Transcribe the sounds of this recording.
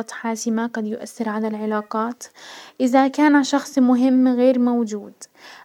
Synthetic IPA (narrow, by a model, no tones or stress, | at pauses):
ɑt̪ħaːsɪmaɡɑd̪jʊʔa̰θːɪɾʕalalʕɪlaːqɑːt̪ʔɪðakaːnaʃɑxsˤmʊɦɪmːɣeːɾmawd͡ʒuːd̪